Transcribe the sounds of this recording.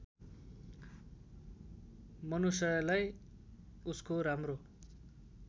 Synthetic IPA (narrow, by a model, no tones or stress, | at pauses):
mʌnusʌjʌlaj | uskoɾamro